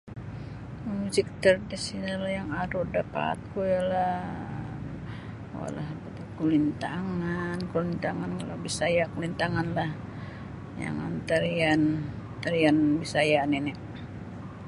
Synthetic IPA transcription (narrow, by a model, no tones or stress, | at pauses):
muzik̚t̪ərdisinalahjaŋaɾudapa̰t̪̚kujala | a̰la̰hbat̪ukulint̪aŋankulint̪aŋankalawbisajakulint̪aŋanlah | ja̰ŋa̰nt̪aɾian | t̪aɾianbisajaninɛ